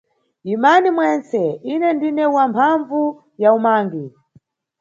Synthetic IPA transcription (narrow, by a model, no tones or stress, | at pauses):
jimanimwɛnsɛinɛndinɛwampʰaɱvu | jaumaːŋɡi